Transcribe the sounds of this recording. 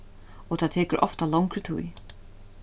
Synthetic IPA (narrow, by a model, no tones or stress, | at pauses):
ɔt̪ʰat̪ʰɛːkəɾʔɔ̰ft̪alawŋkɾɪt̪ʰṵj